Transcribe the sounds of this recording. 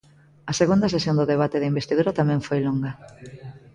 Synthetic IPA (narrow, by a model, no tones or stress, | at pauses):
ɐseɣund̪ɐs̬esjond̪ʊðeβ̞at̪ɪðɪimbest̪iðuɾɐt̪amɛ̃ɱfojloŋɡɐ